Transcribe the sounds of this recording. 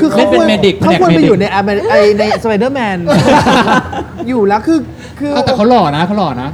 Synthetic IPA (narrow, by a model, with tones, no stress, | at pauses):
kʰɯː˧kʰale˥˦˥npe˧me˧di˨˩k̚pʰːnɛː˨kme˧a˧uː˨˩na˧jʔa˧m˧ʔa˧jna˧jsə˧wa˧jdəː˥˩mɛː˧n˥˩ | juː˨˩lɛː˦˥wkʰɯː˧ | kʰɯː˧a˥˩t̪ɛ˨˩a˦˥wlɔː˨˩na˦˥kʰa˦˥wlɔː˨˩na˦˥